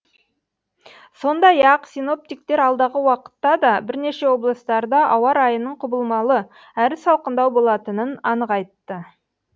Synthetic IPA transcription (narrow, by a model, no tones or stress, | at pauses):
so̞nd̪ɑjɑqsino̞p̚t̪ijk̚t̪e̞ɾɑlˠd̪ɑʁəwɑqə̥t̪ːɑd̪ɑbɪɾne̞ʃe̞wo̞blˠəst̪ɑɾd̪ɑʔɑwɑɾɑjənəɴqʰʊbəlˠmɑlˠə | æɾɪsɑlˠqənd̪ɑwbo̞lˠɑt̪ənənɑnəqɑjt̪ːə